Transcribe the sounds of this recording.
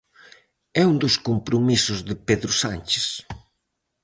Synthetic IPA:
ɛund̪oskompɾomisʊzðɪpeðɾʊsanʲt͡ʃɪ̥s

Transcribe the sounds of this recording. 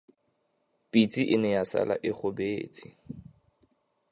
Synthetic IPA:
pʼit͡sʼiʔɪnɛjasa̰la̰ʔɪχʊbeːt͡sʼi

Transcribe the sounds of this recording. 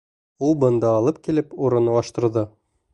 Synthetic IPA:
ulˠbɤ̆nd̪ɑːlˠɤp̚kilɘpuɾɤ̆nɤ̆wɑʃt̪ɤ̆ɾðɤ

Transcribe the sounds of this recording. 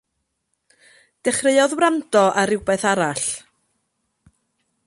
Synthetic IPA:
d̥ɛχreɨɔðwɾandɔʔaɾɪwbɛθaɾaɬ

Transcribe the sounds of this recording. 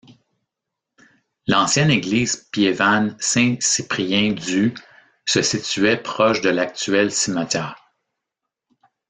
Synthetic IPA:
lɑ̃sjɛneɡliːz̥pjevansɛ̃sipʁiɛ̃d̪y | səsit̪yɛpχɔʃd̪əlak̚t̪yɛlsimat̪jɛːʁ

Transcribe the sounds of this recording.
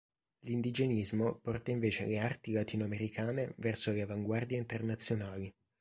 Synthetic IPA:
lind̪id͡ʒenizmopɔrt̪aiɱveːt͡ʃea̰leart̪ilat̪iːnoameɾikʰaːnevɛrsoleavaŋɡward̪jaint̪ernat̪sːjonaːli

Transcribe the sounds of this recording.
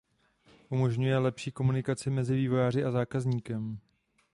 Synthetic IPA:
ʔumo̞ʒɲujɛlɛpʃiːko̞munɪkat͡sɪmɛzɪviːvo̞jaːrɪʔazaːkazɲiːkɛm

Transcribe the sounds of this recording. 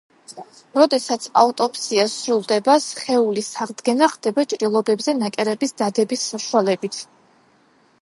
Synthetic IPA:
ɾɔd̪ɛsat̪sʰa̰ut̪ʼɔpʰʼsiasɾulˠd̪ɛbasχɛulisaʁd̪ɡɛnaχd̪̥ɛbat͡ʃʼɾilˠɔbɛbzɛnakʼɛɾɛbisd̪ad̪ɛbisːaʃuwalɛbit̪ʰ

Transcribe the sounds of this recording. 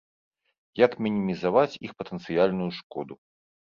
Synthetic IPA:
jakmʲinʲimʲizavat͡sʲixpɐt̪ənt̪sɨjalʲnujuʂkɔd̪u

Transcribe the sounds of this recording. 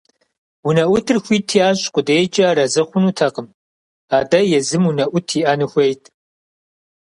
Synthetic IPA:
wunɐʔʷʊtʰɨrxʷiːtʰiaːɕʼqʷʊdeːt͡ʃʼɐɾɐzɨχʷʊnuːtʰɐqəm | aːdɐjɛzɨmunɐʔʷʊtʰiːʔaːnɨxʷejtʰ

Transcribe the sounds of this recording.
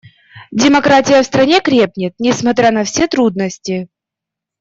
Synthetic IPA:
dʲɪmɐkɾatʲɪjəfst̪ɾɐnʲe̞kɾʲep̚nʲɪt̪̚nʲɪsmɐt̪ɾʲanɐfsʲet̪ɾud̪̚nəsʲtʲɪ

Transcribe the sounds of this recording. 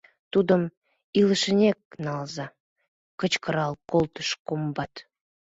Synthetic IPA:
t̪ud̪əm | iləʃənʲek̚nɑlzɑ | kət͡ɕkəɾɑlkolt̪ə̥ʃkombɑt̪

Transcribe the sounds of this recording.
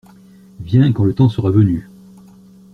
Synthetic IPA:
vjɛ̃kɑ̃lət̪ɑ̃səʁavəny

